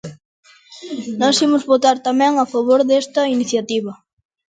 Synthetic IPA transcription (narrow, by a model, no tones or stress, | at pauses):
nɔsimʊzβot̪aɾt̪amɛ̃ŋafaβ̞oɾðest̪ɐiniθjat̪iβɐ